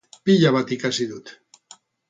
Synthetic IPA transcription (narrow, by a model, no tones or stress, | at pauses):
piʎaβat̪ikasiðut̪